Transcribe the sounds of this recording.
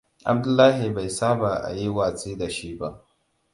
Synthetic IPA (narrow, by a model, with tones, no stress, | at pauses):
ʔa̰˨b̚dʊ˦lːaː˦ɦi˨ba˨jsaː˦baː˨ʔa̰˨ji˦waː˨t͡sʼeː˦da˨ʃi˦ba˦ʔ